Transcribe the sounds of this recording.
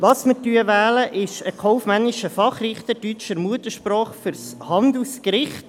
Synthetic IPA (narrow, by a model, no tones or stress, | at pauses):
ʋɑsmətyəʋæːləʔɪʃəkʰɔʊfmænːɪʃəfɑχrɪχt̪ətyt͡ʃəɾmuətəʃprɔːχfʏɾshɑnd̪l̩skɾɪχt